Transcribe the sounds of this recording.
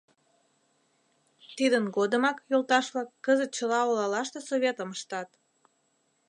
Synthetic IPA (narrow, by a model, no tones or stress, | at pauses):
t̪id̪ənɡod̪əmɑkjolt̪ɑʃβlɑkːəzət̪̚t͡ɕəlɑolɑlɑʃt̪esoβʲet̪əməʃt̪ɑt̪